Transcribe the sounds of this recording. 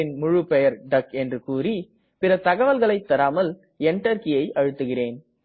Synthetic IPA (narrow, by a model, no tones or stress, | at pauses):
ɪnmʊɻʊpɛjɐɾɖɐkɛndrɯkuːri | pɪrɐt̪ɐɣɐʋɐlɣɐɭɐɪt̪ːɐɾaːmɐl | ɛɳʈɐɾkɪjɐɪʔɐɻɯt̪ːɯɣɪreːn